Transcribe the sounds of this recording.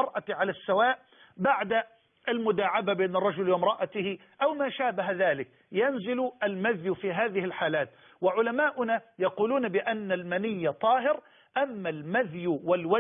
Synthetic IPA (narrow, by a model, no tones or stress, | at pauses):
ɑɾˤʔaʕalasːawaːʔ | baʕd̪a | ʔalmʊd̪aːʕababeːnɑrˤːɑd͡ʒʊlwɪmɾˤɑʔat̪ɪhɪ | ʔawmaːʃaːbaɦaðaːlɪk | janzɪlʊʔalmaðjʊfiːɦaːðɪhɪlħaːlaːt̪ | wɪʕʊlamaːʔʊnajɑquːluːnbɪʔanːalmanɪjːat̪ˤɑːɦɪɾ | ʔamːalmaðjʊwalwa